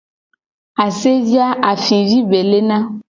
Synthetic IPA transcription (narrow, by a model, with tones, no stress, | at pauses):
a˨se˦vi˦a˦ʔa˨fi˨vi˦be˨le˦nã˦